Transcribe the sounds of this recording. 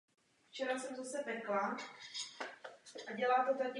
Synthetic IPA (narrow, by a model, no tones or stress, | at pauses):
ft͡ʃɛɾasɛmzasɛpɛkla | ʔaɟɛlaːt̪ot̪akɪ